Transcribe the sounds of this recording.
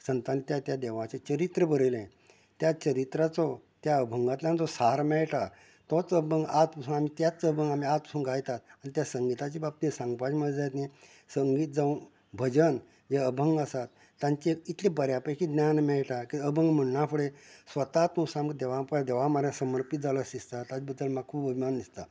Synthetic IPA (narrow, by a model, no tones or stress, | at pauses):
sənt̪anit̪jat̪jad̪eʋãt͡ɕet͡ɕəɾit̪ɾəbəɾəlẽ | t̪jat͡ɕəɾit̪ɾat͡sɔt̪jaəbʱəŋɡat̪ljand͡zɔsaɾmɛɭʈa | t̪ɔt͡səbʱəŋɡat̪pəsuːnam̤it̪jat͡sːəbʱəŋɡam̤iat̪̚pə̥suːnɡʱajt̪at̪añit̪jasəŋɡit̪at͡ɕibab̚t̪isãŋɡpad͡ʑməd͡zajt̪ne | səŋɡiːt̪̚d͡zaũn | bʱəd͡ʑən | jeəbʱəŋɡasat̪ːãɲt͡ɕeit̪ʰlebəɾjapəjkid̪nʲanmɛɭʈakiəbʱəŋɡm̤əɳnafʰuɭesʋət̪at̪nũsamkd̪eʋapd̪eʋamaɾjãsəməɾpit̪̚d͡zaləsist̪at̪abəd̪ːəlmaɡ̚kʰuːbəbʱimand̪ist̪a